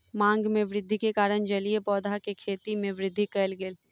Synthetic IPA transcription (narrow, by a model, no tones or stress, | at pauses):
mãːŋɡmẽʋɾɪd̪ʱːikekaːɾəɽd͡ʒɐliepɔːd̪ʱakekʰeːt̪imẽʋɾɪd̪ʱːikɛːlɡɪl